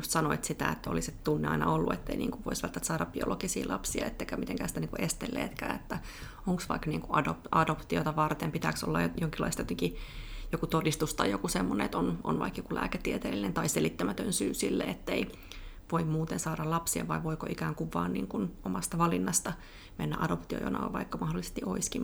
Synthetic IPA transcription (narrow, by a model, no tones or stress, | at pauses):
just̪sɑnoit̪sit̪æ̰et̪ːæo̰liset̪t̪unːeɑ̰inɑ̰olːuḛt̪ːḛinḭːŋkuʋʋo̰isʋælt̪ːæt̪sɑːɾɑbb̥io̰lokisḭːlʔɑ̰psiɑ̰et̪ːeikæmit̪eŋkæːsit̪æniːŋkuʔest̪ḛlːḛːt̪kæ̰ːet̪ːæ | oŋksʋɑ̰ikniːŋkuɑdopɑdopt̪io̰t̪ɑʋɑrt̪empit̪ækso̰lːɑjoŋkilːɑ̰ist̪ɑjot̪eŋkijokut̪odist̪ust̪ɑijokusemːonḛet̪ono̰nʋɑ̰ikjokulʔæ̰ːket̪ːiet̪eːlːinent̪ɑiselit̪ːæmæt̪ønsyːsilːḛet̪ːei | ʋoimmuːt̪ensɑːɾɑlɑpsiḛʋʋɑiʋoiko̰ʔikæːŋkuʋːɑ̰ːnnḭːŋkunomɑst̪ɑʋɑlinːɑst̪ɑ | menːæ̰ʔɑdopt̪io̰jo̰nɑ̰ɑ̰ʋɑ̰ikːɑmɑhdolise̥st̪iʔoiski